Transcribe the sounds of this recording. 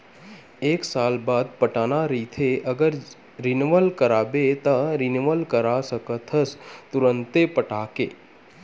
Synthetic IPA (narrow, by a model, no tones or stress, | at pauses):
eːksaːlbaːd̪̚pəʈaːnaɾiːt̪ʰeɐɡəɾ | ɾɪnʋəlkəɾaːbet̪ɐɾɪnʋəlkəɾasəkət̪ʰəst̪ʊɾə̃nt̪epəʈaːkeː